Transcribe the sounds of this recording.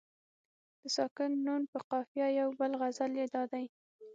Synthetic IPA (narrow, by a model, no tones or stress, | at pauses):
d̪̥əsɑkɪnːunpəqɑfjɑjawbəlɣazaljed̪ɑd̪aj